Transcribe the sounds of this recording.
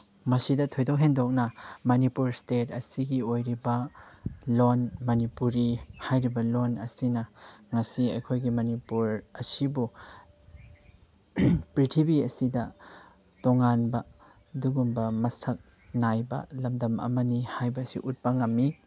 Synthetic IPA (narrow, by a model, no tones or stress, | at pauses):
mɐsidɐtʰojdokɦendok̚nɐmɐnipuɾstetɐsiɡiojɾibɐ | lonmɐnipuɾihajɾibɐlonɐsinɐŋɐsiɐjkʰojɡimɐnipuɾɐsibu | pɾitʰibiɐsidɐ | toŋanbɐ | duɡumbɐmɐsɐk̚ | najbɐ̰lɐmdɐmɐ̰mɐnihajbɐsḭʔut̚pɐŋɐmːi